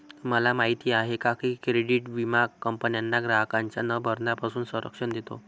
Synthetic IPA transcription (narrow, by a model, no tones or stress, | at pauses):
məlamaɦit̪iːaɦekakikɾeɽiʈʋimaɡ̚kːəmpənjanːaɡɾaɦkaɲt͡ɕjanəbʱəɾnapasuːnsəɾə̰kʂəɳd̪et̪o̰